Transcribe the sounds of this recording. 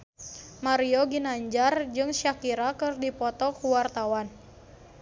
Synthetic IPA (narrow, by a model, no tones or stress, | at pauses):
maɾiɔɡinaɲd͡ʒard͡ʒɨŋʃakiɾakɨrdipɔt̪ɔkuwart̪awan